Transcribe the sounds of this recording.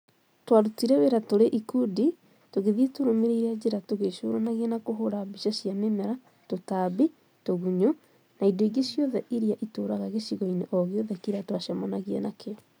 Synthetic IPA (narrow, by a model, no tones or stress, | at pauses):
twaɾutiɾɛweɾatoɾeʔikudi | toɣeðietoɾomeɾead͡ʑeɾatoɣeʃo̰ːɾanaɣienakoɦoɾabiʃaɕjamemɛɾa | totabi | toɣuɲo | naidoeɡeɕjɔðɛʔiɾiaʔitoːɾaɣaɣeʃiɣɔineʔɔɣeɔðɛkiɾatwaʃamɔnaɣiɛ̰nakeɔ